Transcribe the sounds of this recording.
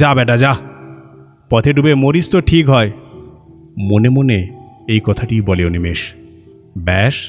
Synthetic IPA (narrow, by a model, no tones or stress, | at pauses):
abɛʈ̬ad͡ʑa | pɔt̪ʰeɖubemoɾist̪oʈʰikɦɔe | monemoneejkɔt̪ʰaʈijbɔleonimeʃ | bɛʃ